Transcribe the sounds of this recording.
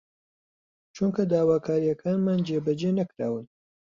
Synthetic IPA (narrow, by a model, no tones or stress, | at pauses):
t͡ʃʰuŋkɐd̪aːwaːkʰaːɾijɐkʰaːnmaːnd͡ʒeːbɐd͡ʒeːnɐkɾa̰ːwɨn